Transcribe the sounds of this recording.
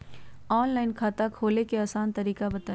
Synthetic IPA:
ɔːnlaːɪnkʰaːt̪akʰoːlekeaːsaːnt̪ɐɾiːkabɐt̪aː

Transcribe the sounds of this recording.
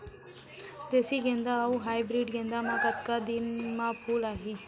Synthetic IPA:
d̪esiɡẽnd̪aːuɦaːjbɾiɖɡẽnd̪amãkət̪kad̪inmãpʰuːlaːɦi

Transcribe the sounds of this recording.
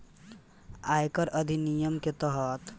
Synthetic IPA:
ajkəɾʔəd̪ʱinijəmket̪əɦət̪

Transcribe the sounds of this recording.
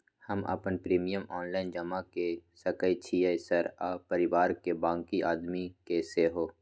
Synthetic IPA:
həmə̰pənpɾiːmijəmɔːnlaːɪnd͡ʒɐmakesəkəit͡ʃʰiːəsəɾaːpəɾɪʋaːɾkebãːŋkiʔaːd̪mikeseɦoː

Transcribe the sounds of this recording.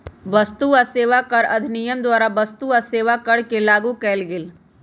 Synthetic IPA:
ʋɐst̪uaseːʋakəɾɐd̪ʱnijəmd̪waːɾaʋɐst̪uaseːʋakɐɽ̤kelaːɡukɛːlɡɪl

